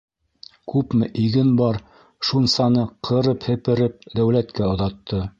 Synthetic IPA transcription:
kʉpmɘ̆ʔiɡɘnbɑɾ | ʃunsɑnɤqʰɤ̆ɾɤphɘ̆pɘ̆ɾɘp̚d̪æwlæt̪kæŏðɑt̪ʰːɤ

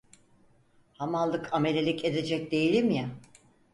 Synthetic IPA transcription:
hamalˠːɯkʰame̞lʲelʲice̞d̪e̞d͡ʒɛc̚d̪e̞jilʲimja

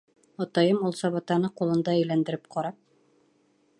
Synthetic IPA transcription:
ɒt̪ɑjɤmulˠsɑβɑt̪ɑnɤqulˠɤ̆nd̪ɑɘjlænd̪ɘ̆ɾɘp̚qʰɑɾɑp̚

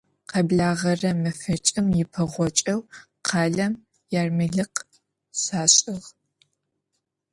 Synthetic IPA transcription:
qɐbɮaːʁɐrɐmɨfɐt͡ʃʼɪmjɪpʰɐʁʷɔt͡ʃʼɐw | qʰɑːɮɐm | jaːrmɨɮɨq | saːɕʼɪʁ

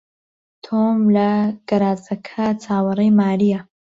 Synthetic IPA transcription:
t̪ʰomlɐɡ̥ɐɾaːzɐkʰɐt͡sʰaːwɐrejmaːɾijɐ

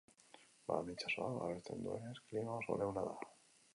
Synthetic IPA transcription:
ba̰mnit͡ʃasoaβa̰βest̪ḛnd̪uḛnesklinoso̰ɾewnaða̰

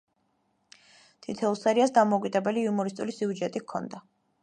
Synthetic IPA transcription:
t̪ʰit̪ʰɛlˠsaɾiasd̪amɔukʼid̪ɛbɛliumɔɾist̪ʼulisiud͡ʒɛt̪ʼikʰɔ̰nd̪a

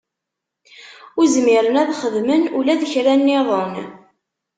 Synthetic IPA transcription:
ʊzmɪɾənæðχəðmənulæðəçɾænːɪðˤən

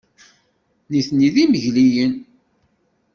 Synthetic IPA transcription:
niθniðiməʝlijən

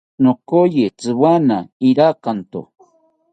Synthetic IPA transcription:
nokojet͡sɨwanaiɾakant̪o̰

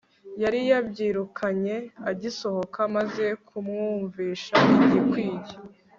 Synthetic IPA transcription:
jaɾijabɟiːɾukʰaɲe̞aɟiso̞ho̞kʰamaze̞kʰumŋuːɱviːʃaʔiɟikwiːɟe

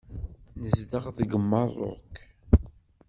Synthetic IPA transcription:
nəzðəʁðɡəmːɑrˤo̰k

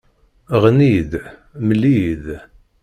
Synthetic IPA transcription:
ʁnið | məlːið

